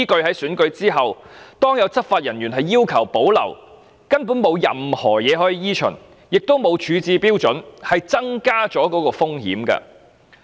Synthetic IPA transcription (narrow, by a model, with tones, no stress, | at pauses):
iː˥kɵ˧ɥhɐ˨˥jsyː˨˥nkɵ˧ɥt͡siː˥ɦɐ˨w | t̪ɔː˥ŋjɐ˨˧wt͡sɐ˥t̚faː˧t̚jɐ˨˩nɥyː˨˩nɦɐ˨jːiː˥wkʰɐ˨˩wpo˨˥wlɐ̰˨˩w | kɐ˥npu˨˥nmo˨˧wjɐ̰˨mhɔ̰ː˨˩jɛː˨˧ɦɔː˨˥jiː˨˧jiː˥t͡ʃʰɵ̰˨˩n | jɪ˨k̚t̪o˥wmo˨˧wt͡ʃʰyː˨˧t͡siː˧piː˥wt͡sɵ˨˥nhɐ˨jt͡sɐ˥ŋkaː˥t͡sɔː˨˥kɔː˨˥kɔː˧fʊ˥ŋhḭː˨˥mkɐ̰ː˧